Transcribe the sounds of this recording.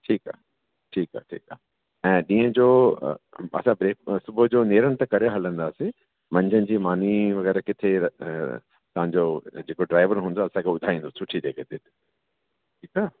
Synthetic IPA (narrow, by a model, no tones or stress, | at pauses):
ʈʰiːka̰ː | ʈʰiːka̰ːʈʰḭːkaː | ɛ̃ːɗĩːə̃d͡ʑo̰ː | ɐ̰sãbɾeːk̚sʊbʱʊd͡ʑoːneːɾəɽ̃t̪ɐkɐɾeɦɐlə̃nd̪aːse | mɐ̃ɲd͡ʑʱənɪ̆d͡ʑiːmaːn̤iʋɐɣɛːɾakɪt̪ʰe | t̪ɐʋ̤ãɲd͡ʑod͡ʑeːkoɖɾaːɪʋəɾɦũːn̆d̪oɐsãkʰeʊd̪ʱaːĩːnd̪osʊʈʰid͡ʑeːkʰet̪ʰet̪ | ʈʰiːkaː